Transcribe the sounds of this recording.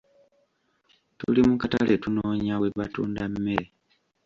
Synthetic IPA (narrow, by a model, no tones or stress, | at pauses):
tulimukata̰lʔetunoːɲaweβatṵːndamːe